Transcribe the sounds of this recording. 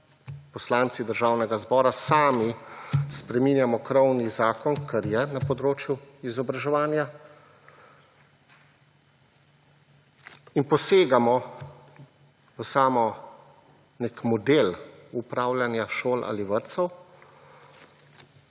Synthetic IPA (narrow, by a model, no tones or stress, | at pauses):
pɔslaːnt̪sid̪əɾʒaːwnɛɡazbɔːɾasaːmispɾɛminjamɔkɾɔwnizaːkɔnkʰaɾjɛnapɔd̪ɾoːt͡ʃjuizɔbɾaʒɛʋaːnja | inpɔseːɡamɔ | əsaːmɔ | nekmɔd̪eːlupɾaːwlanjaʃoːlʔa̰liʋəɾt̪sɔw